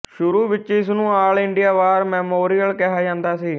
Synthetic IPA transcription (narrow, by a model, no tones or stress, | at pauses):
ʃʊɾuːʋɪt͡ʃɪsnũːaːlɪɳɖɪjaːʋaːɾmɛːmoːɾijəlkɛɦaːd͡ʒãːnd̪aːsiː